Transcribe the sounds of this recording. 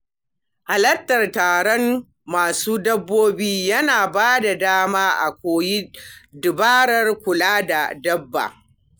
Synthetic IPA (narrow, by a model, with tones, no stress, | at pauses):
ha˨lɐ˦tːɐ˨rtaː˨ɽɔ˦m | maː˨suː˦dɐ˦bːoː˦biː˦jɐ˦naː˨baː˦da˨daː˦maː˦ʔa̰˨kʷoː˨ji˦dɪ˨baː˦ɾɐ˦rkʷʊ˨laː˦da˨dɐ˦bːa̰˨